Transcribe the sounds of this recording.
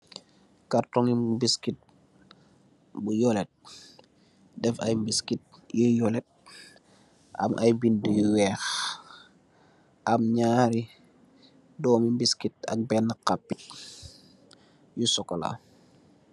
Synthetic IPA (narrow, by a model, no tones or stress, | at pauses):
kartɔŋimbiskit̚ | bujɔlɛt̚ | dɛfɐ̰jmbiskit̚jujɔlɛt̚ | ʔɐ̰mʔɐ̰jbindəjuwɛːx | ʔɐmɲaːɾi | dɔːmimbiskit̚ɐ̰k̚bɛnːəkapːit̚ | jusɔkːɔla̰